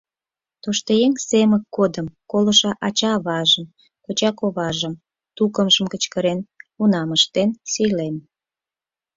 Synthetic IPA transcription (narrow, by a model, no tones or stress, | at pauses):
t̪oʃt̪əjeŋseməkːod̪əmkolə̆ʃɑʔɑt͡ɕɑβɑʒəm | kot͡ɕɑkoβɑʒəm | t̪ukəmʒəmkət͡ɕkəɾenunɑməʃt̪ensijlem